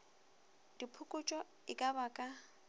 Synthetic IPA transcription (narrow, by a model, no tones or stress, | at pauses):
d̥ipʰʊkʼʊt͡ʃʼɔ | ɪkʼabakʼa